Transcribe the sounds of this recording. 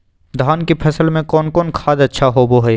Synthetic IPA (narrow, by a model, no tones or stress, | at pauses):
d̪ʱaːnkipʰɐsəlmẽkɔːnkɔːnkʰaːd̪ɐtːʃʰaɦoboɦə